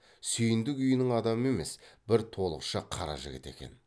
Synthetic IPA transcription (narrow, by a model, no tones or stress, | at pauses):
sʏjɪnd̪ɪkʏjɪnɪŋɑd̪ɑməe̞me̞sbɪɾt̪ʰo̞lˠə̰qʃəqʰɑɾɑ̰ʒɪ̰ɡʲɪ̰t̪e̞̰kʲe̞̰n